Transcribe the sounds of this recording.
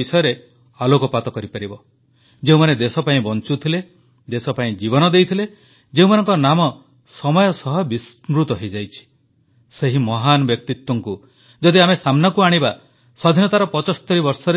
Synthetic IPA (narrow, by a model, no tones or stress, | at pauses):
isɔjɔɾe | alokɔpat̪ɔkɔɾipaɾibɔ | d͡ʒeũmaned̪esɔpaĩbɔnt͡ʃut̪ʰile | d̪esɔpaĩd͡ʒibɔnɔd̪ejt̪ʰile | d͡ʒeũmanɔŋkɔnamɔ | sɔmɔjɔsɔɦɔbismɾut̪ɔɦejd͡ʒajt͡ʃʰi̥ | seɦimɔɦanɔbjɔk̚t̪it̪wɔŋku | d͡ʒɔd̪iamesamnɔkuaɽ̃iba | sɔd̪ʱinɔt̪aɾɔpɔt͡ʃɔst̪ɔɾibɔɾsɔɾe